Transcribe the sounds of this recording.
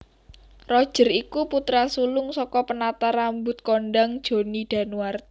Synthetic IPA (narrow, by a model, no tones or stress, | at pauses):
rɔd̥ʒ̥ə̤rikuput̪ɾasulʊŋsɔkɔpənat̪aɾambʊt̪̚konɖaŋd̥ʒ̥o̤nid̪̥a̤nuwart̪